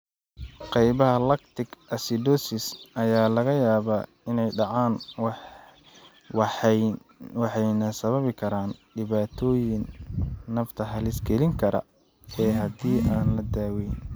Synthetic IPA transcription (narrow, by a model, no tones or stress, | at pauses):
qɛjβɐɦɐlɐkt̪ʰɪkʔɐsɪd̪ɔsɪsʔɐjaːlɐɣɐjaːβaː | ɪnɛjɖɑʕaːnw | wɑħɑjnɐsɐβɐβɪkʰɐɾaːnɖɪβaːt̪ʰɔːjɪnː | ɐft̪ʰɐɦɐlɪsɡɛlɪŋkʰɐɾɐ̰ | ɛːɦɐd̪iːʔaːnlɐd̪aːwɛjn